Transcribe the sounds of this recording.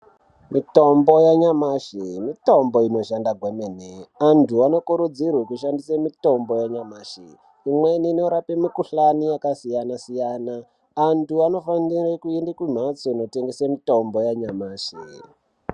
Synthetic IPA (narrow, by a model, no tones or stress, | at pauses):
mito̞mbojaɲamaʃimito̞mboino̞ʃandaɡwemeneantʰuano̞kuɾud͡zirwekuʃandisemito̞mbo̞jaɲamaːʃḭ | imwenino̞ɾapemikuɬanijakasijanasijanaː | ntuano̞fanirekuendekwum̤at͡soino̞teŋɡesamito̞mbo̞jaɲamaːʃḭ